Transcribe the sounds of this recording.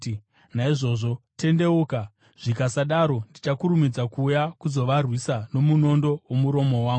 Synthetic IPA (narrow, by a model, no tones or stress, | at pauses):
naiʐo̞ʐo̞te̞nde̞uːka | ʐ̥ikasaɗaɾo̞ndit͡ʃakuɾumid͡zakuːjakuzo̞ʋarwisano̞muno̞ndo̞womuɾo̞mo̞waːŋɡ